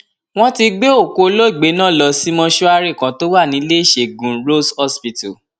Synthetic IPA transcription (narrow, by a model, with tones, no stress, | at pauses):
w̃ɔ̃˦ti˧ɡ͡be˦o˦˨ko˧o˧lo˦i˦˨ɡ͡be˨˦nã˦˨lɔ˧si˦mɔ̃˧ʃu˦a˧ɾi˦˨kã˨˦to˦wa˦˨nĩ˨˦le˦i˦˨ʃe˨ɡũ˨ɾo˦shɔ˦spi˧tu˨